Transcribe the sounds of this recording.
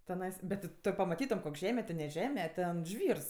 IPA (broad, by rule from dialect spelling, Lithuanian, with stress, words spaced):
tʲɛˈnɐɪs bʲɛt tʲɪ ˈtoː pɐmɐˈtʲiːtoːm ˈkoːkʲ ˈʒʲæːmʲɛ tʲɪ nʲɛ ˈʒʲæːmʲɛ ˈtʲɛn ˈʒʲʋʲiːrs